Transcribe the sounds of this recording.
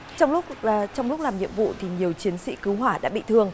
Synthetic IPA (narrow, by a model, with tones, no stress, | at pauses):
t͡ɕɔ˧wŋ͡mlʊ˦˥k͡p̚ːt͡ɕɔ˧wŋ͡mlk͡p̚laː˨˩mɲḭ˧˨əmvṵ˧˨t̪ʰi˨˩ɲi˨˩əwt͡ɕi˨˦ənsḭ˧˥kɨ˨˦ɦwaː˧˩ɗa̰ː˧˥ɓḭ˧˨t̪ʰɨ˨˩əŋ